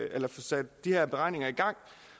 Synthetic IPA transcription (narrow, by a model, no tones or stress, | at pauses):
elɐfɒsæd̥d̥ihæɐb̥e̝ʁɑ̈ɪ̰ne̝ŋɐiɡ̥ɑ̈ŋ̰